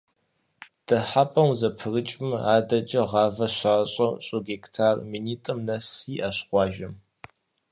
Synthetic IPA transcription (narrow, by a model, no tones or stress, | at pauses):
d̥ɐħapʼɐwzɐpʰɨrɨt͡ʃʼmaːdɐt͡ʃʼɐʁɑːvɐɕaːɕʼɐwɕʼʊɡektʰaːrminiːtʼɐmnɐsiːʔɐɕχʷɑːʒɐm